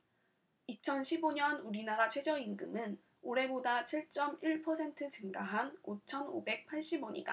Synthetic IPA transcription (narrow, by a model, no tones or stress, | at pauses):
it͡ɕʰʌnɕʰiboɲʌnuɾinaɾat͡ɕʰwe̞d͡ʑʌinɡɯmɯn | oɾe̞bodat͡ɕʰiɭt͡ɕ͈ʌmiɭpʰʌsʰe̞ntʰɯt͡ɕɯŋɡaɦanot͡ɕʰʌno̰be̞k̚pʰaɭɕ͈iboɲḭɡa̰